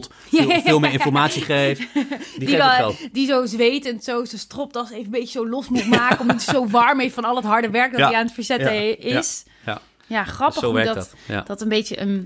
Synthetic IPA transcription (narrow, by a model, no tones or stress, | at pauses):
t | fɪlˠmɪɹɪnfɔɹmaːtsiχejfddidizowzʋejtəntsowsostrɔp̚tɑlˠsejvənbejtəzowlɔsmutmaːkəɔmditsowʋɑɹmejffɑnɑlˠətɦɑɹdəʋɛɹk̚dɔiaːnətfəɹzɛtəɪs | jaχrɑpəχoɛɹdtd̥ɑtənbejəʔən